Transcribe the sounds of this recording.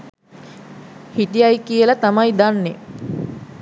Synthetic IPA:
hiʈijajkijəlat̪amajd̪anːe

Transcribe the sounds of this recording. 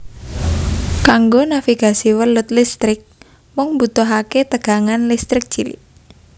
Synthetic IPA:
kaŋɡonafiɡ̥a̤siwəlʊt̪̚list̪ɾɪk̚ | mʊŋmbut̪ɔɦaket̪əɡ̥a̤ŋanlist̪ɾɪk̚t͡ʃilḭ

